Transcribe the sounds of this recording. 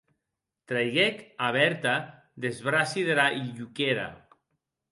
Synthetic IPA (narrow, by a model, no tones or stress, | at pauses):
t̪ɾajɣekaβɛɾt̪a | d̪ezβɾasiðeɾaʔiʎukeɾa̰